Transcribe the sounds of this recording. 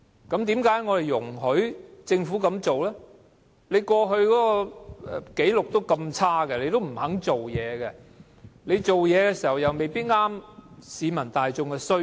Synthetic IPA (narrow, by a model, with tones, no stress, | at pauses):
kɐ˨˥mt̪iː˨˥mkaː˨˥jŋɔ˨˧ɾe˨˩jjʊ˨˩ŋɦɵ˨˥ɥt͡sɪ˧ŋfu˨˥kɐ˨˧mt͡so˨wlɛː˥ | le˨˧jkʷɔː˧ɦɵ˧ɥkɔː˨˦˥kɔ˧ɛ˨˩ke˨˥jlʊ˨k̚t̪o˥wkɐ˧mt͡sʰaː˥ɡɛ˧le˨˧jt̪o˥wm̩˨˩hɐ˨˥ŋt͡so˨wjɛː˨˧ɡɛ˧ | le˨˧jt͡so˨wjɛː˨˧kɛː˧si˨˩hɐ˨˩wjɐ˨˩wme˨jpiː˥t̚ŋaː˥msiː˨˧mɐ˨˩nt̪aː˨jt͡sʊ˧ŋkɛ˧sɵ˥